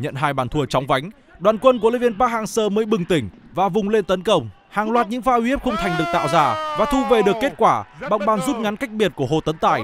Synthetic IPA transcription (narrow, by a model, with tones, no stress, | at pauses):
ɲə̰˧˨nɦaː˧jɓaː˧˩nt̪ʰu˧ət͡ɕɔ˨˦wŋ͡mva˨˦jŋ̟ | ɗwaː˨˩nkwə˧nku˧˩li˧˥vi˧ənpaː˦˥k̚haː˧ŋsəː˧məː˨˦jɓɨ˨˩ŋt̪ï˧˩ŋ̟vaː˨˩vʊ˨˩ŋ͡mle˧nt̪ə˨˦nkə˧wŋ͡m | haː˨˩ŋlwaː˨˩t̚ɲɨ̰˧˥ŋfaː˧hi˧˦ə˥p̚xə˧ŋ͡mt̪ʰa˨˩jŋ̟ɗɨ˨˩ək̚t̪a̰ː˧˨wzaː˧˩vaː˨˩t̪ʰu˧ve˨˩ɗɨ˨˩əkːe˦˥t̚kwaː˧˩ɓa̰˨˧˩wŋ͡mɓaː˨˩nzu˦˥t̚ŋa˨˦nka˦˥jk̚ɓi˨˩ət̚ku˧˩əɦo̰˧˨t̪ə˨˦nt̪a̰ː˧˩j